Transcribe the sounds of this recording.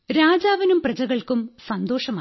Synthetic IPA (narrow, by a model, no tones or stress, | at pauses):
ɾaːd͡ʑaːʋɐnumprɐd͡ʑɐɣɐɭkumsɐnd̪o̞ːʂɐmaː